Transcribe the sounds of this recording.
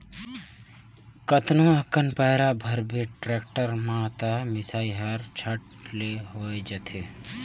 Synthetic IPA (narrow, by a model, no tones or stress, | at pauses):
kət̪noɐkənpəɦɪɾabʱɐɾbʱiʈɾeːk̚ʈəɾmãt̪amɪsaːiɦɐɾt͡ʃʰəʈ | leɦoːed͡ʒət̪ʰe